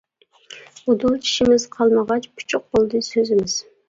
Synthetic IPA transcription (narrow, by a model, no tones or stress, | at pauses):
od̪ulˠt͡ʃi̥ʃimɪzqʰɑlˠməʁɑt͡ʃpʰu̥t͡ʃʰuq̚bolˠd̪ɨsøzɪmɪz̥